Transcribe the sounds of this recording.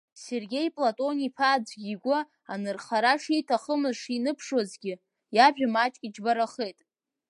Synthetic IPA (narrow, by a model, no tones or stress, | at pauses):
se̞rɡʲe̞jpʼlatʼo̞nipʰad͡zʷɡʲiɡʷʊ | anɨrχaɾaʂejtʰaχəmɨzʂinɨpʰʂwazɡʲɪ | jaʒᶣamat͡ʃʼkʲʼid͡ʒbaɾaχe̞jtʼ